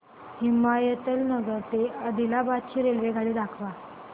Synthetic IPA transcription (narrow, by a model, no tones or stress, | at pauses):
himajət̪əlnəɡəɾt̪eəd̪ilabat̪t͡ɕʰiːɾelʋeɡʱaɽiːd̪akʰʋa